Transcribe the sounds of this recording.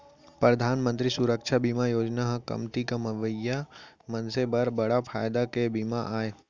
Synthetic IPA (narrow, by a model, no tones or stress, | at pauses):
pɾəd̪ʱaːnmə̃nt̪ɾisuɾəkʃʰabimajoːd͡ʒnaɦkɐ̰mt̪ikɐmɐʋəja | mɐnsebɐɾbɐɽapʰaːjd̪akebiːmaʔaːe